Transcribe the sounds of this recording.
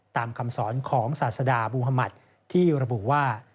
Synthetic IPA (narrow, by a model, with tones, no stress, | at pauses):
t̪aː˧mkʰa˧msɔː˩˦nkʰɔː˩˦ŋsaː˨˩t̪̚sa˧daː˧buː˧ɦa˧ma˨˩t̪̚ | t̪ʰːiː˥˩ɾa˧bu˨˩ʔwaː˥˩